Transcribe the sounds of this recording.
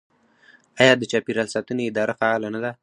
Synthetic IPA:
ajɑd̪ət͡ʃɑpiɾalsɑt̪əneɪd̪ɑɾafaɑlanad̪a

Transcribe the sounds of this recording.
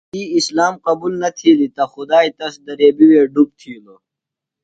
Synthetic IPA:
iislaːmqɐbulnɐt̪ʰiːlit̪ɐxʊd̪aːit̪ɐsd̪ɐɾeːbiweːɖup̚t̪ʰiːlo

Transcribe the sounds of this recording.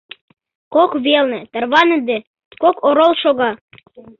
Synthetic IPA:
kokβelnɘ̆t̪ə̆rβɑnə̆d̪e | kokoɾolˠʃoɣɑ

